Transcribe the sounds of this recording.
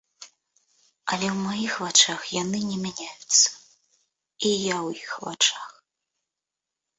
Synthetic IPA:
ɐlʲɛwmajixvat͡ʂaxjanɨnʲɛmʲanʲajut̪sːɐ̥ | ijawjixva̰t͡ʂax

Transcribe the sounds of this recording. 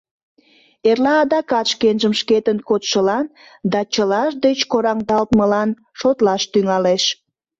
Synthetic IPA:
erlɑːd̪ɑkɑt̪ʃkenʒəmʃket̪ənkot̪ʃəlɑn | d̪ɑt͡ɕəlɑʃd̪et͡ɕkoɾɑŋd̪ɑlt̪məlɑn | ʃot̪lɑʃt̪yŋɑleʃ

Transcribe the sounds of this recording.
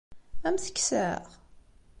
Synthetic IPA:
æmθə̥kːsə̰ʁ

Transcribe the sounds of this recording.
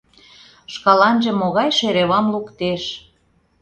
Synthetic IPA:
ʃkɑlɑnʒĕmoɣɑjʃeɾeβɑmlukt̪eʃ

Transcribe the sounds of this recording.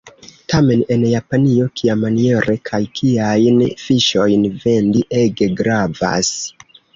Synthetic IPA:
tame̞ne̞njapanio̞kʰiamanie̞ɾʔe̞kʰajkʰiajnfiʃo̞jnve̞ndiʔe̞ɡe̞ɡɾava̰s

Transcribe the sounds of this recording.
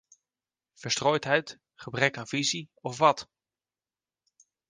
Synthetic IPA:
v̥əɹstroːjtɦɛjt | χəbrɛkaːnviziɔfʋɑt

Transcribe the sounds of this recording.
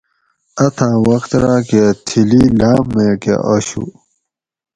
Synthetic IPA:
ɐt̪ʰãːwɐxt̪ɾaːket̪ʰililaːmːẽːkḛʔoɕṵ

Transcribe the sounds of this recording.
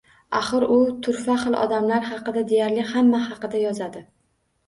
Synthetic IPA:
aχɨɾʊt̪ʰʊɾfaχɨlˠʔɒ̰d̪amlaɾhɑqɨd̪ad̪e̞jaɾlɪhamːahɑqɨd̪ajɒzad̪ɪ

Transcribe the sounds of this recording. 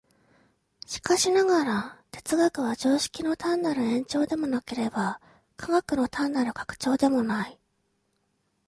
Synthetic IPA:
ɕi̥kaɕinaɡaɾat̪e̞t͡sɨɡakɯ̟β̞ad͡ʑo̞ːɕi̥kʲino̞t̪ãnːaɾɯ̟ẽ̞ɲ̟t͡ɕo̞ːd̪e̞mo̞nake̞ɾe̞ba | kʰaɡakɯ̟no̞t̪ʰãnːaɾɯ̟kḁkɯ̥t͡ɕo̞ːd̪e̞mo̞nai

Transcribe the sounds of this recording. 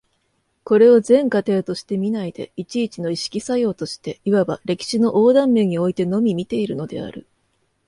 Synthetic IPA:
ko̞ɾe̞o̞zẽ̞ŋkat̪e̞ːt̪o̞ɕi̥t̪e̞mʲinaid̪e̞̰it͡ɕiːt͡ɕino̞iɕi̥kʲisajo̞ːt̪o̞ɕi̥t̪e̞iβabaɾe̞kʲi̥ɕino̞ʔoːd̪ãmːe̞ɲ̟io̞it̪e̞no̞mʲimʲit̪e̞iɾɯ̟no̞d̪e̞̰a̰ɾɯ̟̰

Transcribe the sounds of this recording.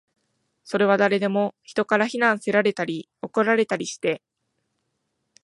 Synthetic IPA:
so̞ɾe̞β̞ad̪aɾe̞d̪e̞mo̞çi̥t̪o̞kaɾaçinãɰ̃se̞ɾaɾe̞t̪aɾʲi | o̞ko̞ɾaɾe̞t̪aɾʲiɕi̥t̪e̞

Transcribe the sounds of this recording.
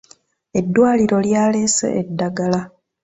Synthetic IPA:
e̞dːwaːliɾo̞ljaːle̞ːsḛʔedːaɡala

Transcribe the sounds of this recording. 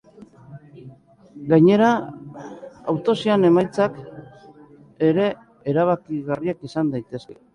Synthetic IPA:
ɡajɲe̞ɾa | a̰wt̪o̞siane̞majt͡sak | e̞ɾe̞ː | ɾaβ̞akiɣariakisand̪ajt̪e̞ske̥

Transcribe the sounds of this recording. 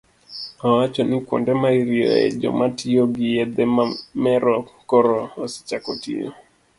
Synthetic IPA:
awat͡ʃɔnɪkwɔ̰ndɛmaiɾiɔ̰ɛ̰d͡ʒɔ̰matijoɡijɛd̪ɛmamɛɾɔkɔɾɔosi̥t͡ʃakotḭjɔ̰

